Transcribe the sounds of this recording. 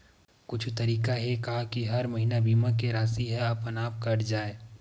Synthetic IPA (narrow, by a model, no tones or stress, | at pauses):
kʊt͡ʃʰt̪ɐɾiːkaɦekaɦakiɦɐɾmɐɦiːnabiːmak̬eɾaːsiɦɛɐpənaːp̚kɐɾd͡ʒaːeː